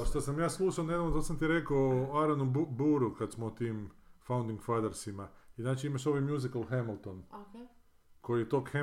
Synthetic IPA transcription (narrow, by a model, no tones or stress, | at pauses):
ʃt̪asamjaːslˠuʃaone̞d̪aʋnot̪osamt̪iɾekoaɾanubuːɾukad̪smoot̪iːmfawnd̪iŋɡfad̪eɾsimaiznaːt͡ʃiimaʃoʋajmjuzikalˠxemilˠt̪on | kʰo̞jijet̪okxe